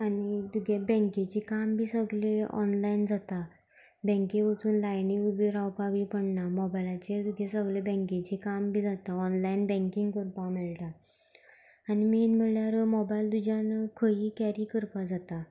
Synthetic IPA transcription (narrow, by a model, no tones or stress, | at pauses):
anid̪uɡʱebɛ̃ŋket͡ɕikambʱiːsəɡleɔ̰nlaind͡zat̪a | bɛ̃ŋkeʋət͡suːnlajniubiɾawpabipəɳnamɔbajlat͡ɕed̪uɡʱesəɡlebɛ̃ŋket͡ɕikambʱiːd͡zat̪aɔnlainbɛ̃ŋkiŋɡkəɾpamelʈa | niminm̤əljaɾmɔbajld̪ud͡ʑʱankʰəiːkɛɾiːkəɾpad͡zat̪a